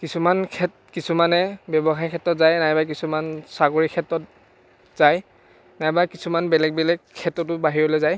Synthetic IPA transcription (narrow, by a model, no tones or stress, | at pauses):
kisumankʰɛt | kisumanɛbɔbɔxaɹikʰɛtːɹɔtzajnajbajk̬isumansaɡoɹikʰɛtːɹɔt̚ | z̥aj | najbajkisumanbɛlɛɡ̚bɛlɛkʰːɛtːɔtʊbaɦiɹɔlɔzaj